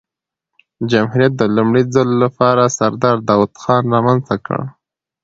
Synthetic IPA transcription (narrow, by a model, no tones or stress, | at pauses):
d͡ʒamhuɾijat̪̚d̪əlumɽid͡zalolapɑɾasaɾd̪ɑɾd̪ɑwad̪xɑnɾɑmanzt̪akə̰ɽ